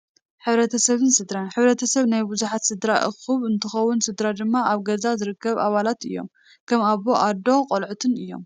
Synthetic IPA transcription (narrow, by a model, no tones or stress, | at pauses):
ħɨβɾɐt̪ʰɐsɐβɨnsɨd̪ɾanħɨβɾɐt̪ʰɐsɐβnajbuzuħat̪sɨd̪ɾaʔɨ̰xɨβɨnt̪ʰɨxɐwːʊnsɨd̪ɾad̪ɨmːaaβɡɐzazɨɾɨkːɐβaβalat̪ɨjːo̞̰m | kʰɐmaβːoʔad̪o̞qʼolʕut̪ʰɨnɨjːo̞̰m